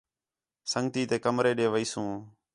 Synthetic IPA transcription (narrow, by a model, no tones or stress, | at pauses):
səŋɡ̚t̪iːt̪eːkəmɾeːɗeːʋəiːsũː